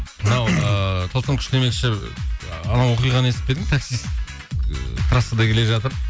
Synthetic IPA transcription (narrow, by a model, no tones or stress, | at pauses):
mənɑwət̪ʰəlˠt̪əmkʰʲʏʃemelʃɪ | ɑnɑwo̞qijʁɑnəesɪpe̞d̪ɪŋt̪ʰaksijs | t̪ʰɾɑsəd̪ɑkʲʰe̞le̞ʒɑt̪əɾ